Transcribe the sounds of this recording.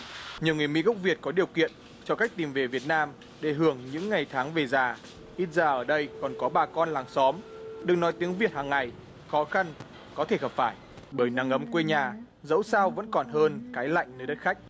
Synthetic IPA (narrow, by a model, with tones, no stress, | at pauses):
ɲɨ˨wŋɨ˨˩əjmḭ˧˥ɣə˦˥k͡p̚vi˨˩ət̚kɔ˨˦ɗi˨˩əwkḭ˧˨ən | t͡ɕɔ˧ka˦˥jk̟̚t̪i˨˩mve˨˩vi˨˩ət̚naː˧m | ɗe˧˩ɦɨ˧˩əŋɲɨ̰˧˥ŋːa˨˩jt̪ʰaː˨˦ŋve˨˩zaː˨˩ | ʔi˧˥t̚zaː˨˩ʔəː˧˩ɗə˧jkɔ˨˩nkɔ˨˦ɓaː˨˩kɔ˧nlaː˨˩ŋsɔ˨˦mɗɨ˨˩ək̚nɔ˨˦jt̪i˨˦əŋvi˨˩ət̚haː˨˩ŋːa˨˩j | xɔ˨˦xa˧n | kɔ˨˦t̪ʰe˧˩həː˨˩p̚faː˧˩j | ɓəː˧˩jna˨˦ŋʔə˨˦mkwe˧ɲaː˨˩ | zə̰˧˥wsaː˧wvə̰˧˥nkɔ˨˩nɦəː˧nkaː˨˦jla̰˧˨jŋnəː˧jɗə˦˥t̚xa˦˥k̟̚